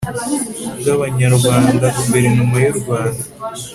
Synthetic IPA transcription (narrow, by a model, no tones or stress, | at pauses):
ɡaβaɲaɾɡwaːndakumbe̞ɾenumajuɾuɡwaːnda